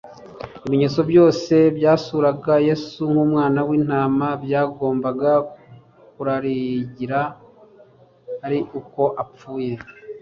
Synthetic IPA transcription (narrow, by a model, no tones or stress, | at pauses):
imiɲe̞ːt͡so̞bjo̞ːse̞bjaːsuːɾaɡaje̞suŋhuːmŋaːnawiːn̥aːmabjaːɡo̞ːmbaɡa | kuɾaɾiɟiɾa | ɾiʔuko̞ʔap͡fuːje̞